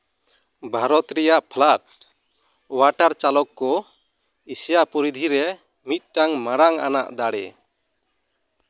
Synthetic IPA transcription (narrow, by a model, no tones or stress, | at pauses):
bʱaɾɔt̪ɾɛjaʔpʰlaʈ̚ | waʈaɾt͡ʃalɔkːɔ | isijaʔpɔɾid̪ʱiɾɛ | mit̪̚ʈaŋmaɾaŋa̰na̰ʔd̪aɽɛ̰